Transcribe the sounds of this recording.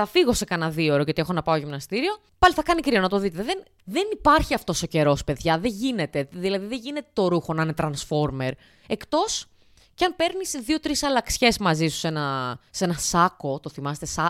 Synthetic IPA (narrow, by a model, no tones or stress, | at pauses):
ɐfiɣo̞se̞kɐnɐðio̞ɾocɐt̪ie̞xonɐpɐoʝimnɐst̪iɾio̞ | pɐliθɐkɐnikɾionɐt̪o̞ðit̪eðen | ðenipɐɾçiɐft̪o̞so̞ce̞ɾo̞spe̞ðʝɐðe̞ɲʝine̞t̪e̞ðilɐðiðe̞ʝine̞t̪e̞t̪o̞ɾuxo̞nɐnet̪ɾɐnsfo̞ɾme̞ɾ | e̞kt̪o̞s | ceɐnpe̞ɾnisðio̞t̪ɾisɐlɐksçe̞zmɐzisu̥se̞nɐse̞nɐsɐko̞t̪o̞θimɐset̪esɐ